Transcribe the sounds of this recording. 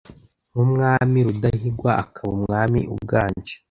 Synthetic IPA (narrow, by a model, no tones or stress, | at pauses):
mumŋaːmiɾudaɦiɡwaa̰kʰaβumŋaːmḭʔṵb̚ɡaːɲd͡ʒe̥